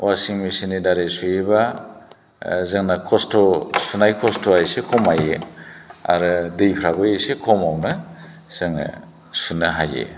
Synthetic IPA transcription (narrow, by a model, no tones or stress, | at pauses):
wasiŋmisinidaɾesujeba | zɯŋnakʰɔstɔsunajkʰɔstoajsekʰɔmaje | a̰ɾɯdejpʰɾaɡɯjesekʰɔmawnɯ | z̥ɯŋna̰ | sunɯɦajḛ